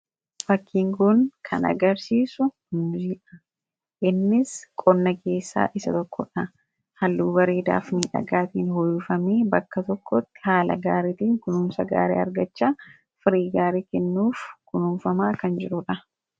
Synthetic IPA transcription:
fɐkʰːiːŋɡʊnkʰɐ̰nʔɐ̰ɡɐɾsiːsʊ | ʊmziːᶑɐ̥ | ʔɪnːɪskʼɔnːɐke̞ːsːa̰ːʔɪsɐ̰t̪ɔkʰːɔᶑɐ | hɐlːuːbɐɾeːd̪a̰ːfniːᶑɐ̰ɡaːt̪iːnhɔjːʊfɐmeːbɐkːɐt̪ɔkːɔt̪ːɪ̥haːlɐ̰ɡaːɾeːt̪iːŋkʊnuːmsɐɡa̰ːɾḛːɐ̰ɾɡɐt͡ʃːaː | fɪɾiːɡaːɾeːkɛnːuːfkʊnuːmfɐmaːkɐnd͡ʒɪɾʊᶑɐ

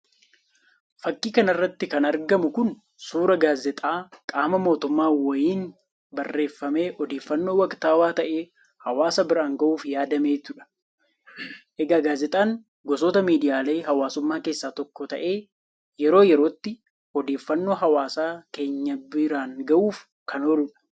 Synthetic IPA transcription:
fɐkːiːkɐnɐrːɐt̪ːɪkɐnɐɾɡɐmʊkʊn | suːɾɐɡaːzɛt̪ʼaːkʼaːmɐmo̞ːt̪ʊmːaːwɔjiːn | bɐrːe̞ːfːɐme̞ːʔɔd̪eːfːɐnːo̞ːwɐkt̪aːwaːt̪ɐʔe̞ː | hɐwaːsɐbɪɾaːŋɡɐʔuːfjaːd̪ɐme̞ːt̪ʊᶑɐ̥ | ʔɛɡaːɡaːzɛt̪ʼaːŋ | ɡɔs̬oːt̪ɐmiːd̪ɪjaːle̞ːɦɐwaːsʊmːaːke̞ːsːaːt̪ɔkːɔt̪ɐʔe̞ː | jɛɾo̞ːjɛɾo̞ːt̪ːɪ | ɔd̪e̞ːfːɐnːo̞ːɦɐwaːsaːke̞ːɲːɐbɪɾaːŋɡɐʔuːf | kʰɐnɔlʊᶑɐ̥

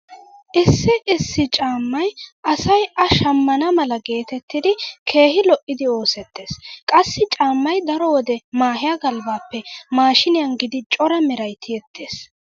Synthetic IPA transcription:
ʔɪsːɪʔɪsːɪt͡ʃʼaːmːɐjʔɐsɐjʔɐʃɐmːɐnɐmɐlɐɡe̞ːt̪ɛt̪ːɪd̪ɪkʰe̞ːhɪlɔʔːɪd̪ɪo̞ːsɛt̪ːe̞ːskʼɐsːɪt͡ʃʼaːmːɐjd̪ɐɾɔwɔd̪ɛmaːɦɪjɐɡɐlbaːpːɛmaːʃɪnɪjɐnɡɪd̪ɪt͡ʃʼɔɾɐmɪɾɐjt̪ʰɪjɛt̪ːeːs

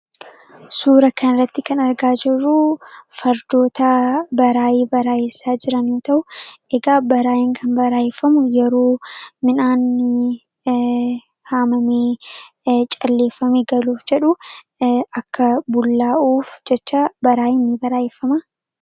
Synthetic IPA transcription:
suːɾɐkɐnɪrːɐt̪ːɪkɐnɐɾɡaːd͡ʒɪrːufɐɾd̪o̞ːt̪ɐbɐɾaːjeːbɐɾaːeːsːaːd͡ʒɪɾɐnːoːt̪ɐʔʊʔɛɡaːbɐɾaːjɪŋkʰɐnbɐɾaːjɛfːɐmʊjɛɾo̞ːmɪnaːnːɪ | haːmɐmeː | t͡ʃʼɐlːe̞ːfːɐmeːɡɐluːfd͡ʒɛᶑʊ | ɐkːɐbʊlːaːʔuːfd͡ʒɛt͡ʃːabɐɾaːɪnːɪbɐɾaːefːɐma

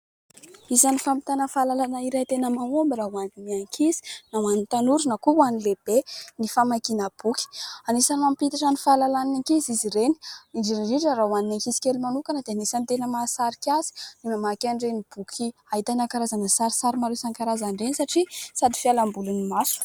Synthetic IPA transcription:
izanifamit̪anəfalalanaiɾat̪enəmamombiɾaɦwanimiaŋkʰizi̥nawanint̪anuɾunakuwanileb̥enifamakinəb̥ukʲi̥anisanimampit̪aʈ͡ʂanifalalananiŋkiziziɾeniiɖ͡ʐiɾiɖ͡ʐiɳʈ͡ʂərawaninaŋkisi̥kʲelimanukanəd̪eanisant̪enəmasaɾikʲaz̥i̥nimamakaɳɖ͡ʐenib̥ukʲʰiaɦit̪anakaɾazanəsaɾisaɾimaɾusaŋkaɾazaɳɖ͡ʐenisaʈ͡ʂisad̪i̥fialambulunimasu̥

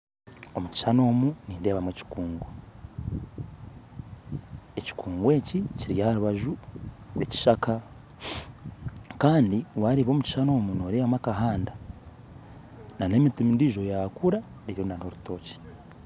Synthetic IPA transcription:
o̞muci̥ʃano̞ːmuniːnde̞ːβamweci̥kuːŋɡo | eci̥kuːŋɡwe̞ːciciɾjahaɾuβaʒu | eci̥ʃaka | kaːndiwaɾiβo̞ːmuci̥ʃano̞ːmuno̞ːɾeːβamakaɦaːnda | nane̞mitimindiʒo̞jakuɾa | ɾiɾonaɾhoɾuto̞ːci̥

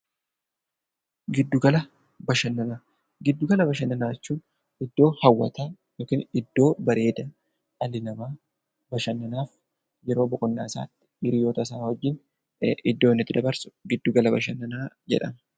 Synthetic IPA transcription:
ɡɪd̪ːʊɡɐlɐ | bɐʃɐnːɐnaː | ɡɪd̪ːʊɡɐlɐbɐʃɐnːɐnaːɛt͡ʃːuːn | ɪd̪ːo̞ːhɐwːɐ̰t̪aː | joːkiːnɪd̪ːo̞ːbɐɾe̞ːd̪ɐ | ɐlɪlɐmaː | bɐʃɐnːɐnaːf | jɛɾo̞ːbɔkʼʊnːa̰ːsa̰ːt̪ːɪ̥ɪɾɪjoːt̪ɐs̬aːhɔd͡ʒːɪn | ʔɪd̪ːo̞ːɪnːɪt̪ːɪd̪ɐbɐɾsʊ̥ɡɪd̪ːʊɡɐlɐbɐ̰ʃɐnːɐnaːd͡ʒɛ̰ᶑɐ̰mɐ

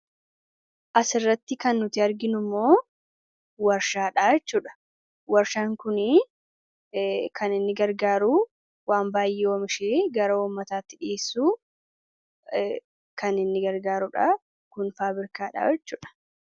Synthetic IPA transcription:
ʔɐsɪrːɐt̪ːɪkɐnːʊt̪ɪɐɾɡɪnʊmːo̞ː | wɐɾʃaːᶑaːjɛt͡ʃːuːᶑɐ̥ | wɐɾʃaːŋkʊnɪ | kʰɐnɪnːɪɡɐɾɡaːɾʊ | waːmbaːjːɛoːmɪʃeːɡɐɾɐuːmːɐt̪aːt̪ːɪᶑɪeːsːuː | kɐnɪnːɪɡɐɾɡaːɾʊᶑaː | kʊnfaːbɪɾkaːᶑa̰jɛt͡ʃːuːᶑɐ̥

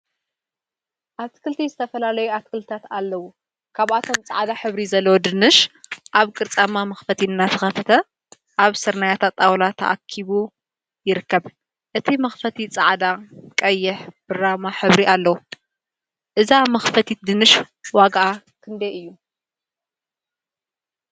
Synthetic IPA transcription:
ʔat̪kʰɨlt̪ʰizɨt̪ʰɐfɐlalɐjuat̪kɨlt̪ʰat̪alːɐwu | kʰaβʔat̪ʰo̞mt͡sʼa̰ʕd̪aħɨβɾizɐlːɐwod̪ɨnɨʃʔaβkʼɨɾt͡sʼamamɐxfɐt̪ʰiɨnːat̪ʰɨxɐfɐt̪ʰɐ | ʔaβsɨɾnajat̪ʰat̪ʼːawlat̪ʰɐ̰ʔa̰kʰːiβu | jɪɾɨkːɐβ | ʔɨt̪ʰimɐxfɐt̪ʰit͡sʼaʕd̪akʼɐjːɪħb̥ɨɾamaħɨβɾiʔalːɐwu | ʔɨzamɐxfɐt̪ʰit̪̚d̪ɨnɨʃ | waɡʔa | kʰɨnd̪eʔɨjːu

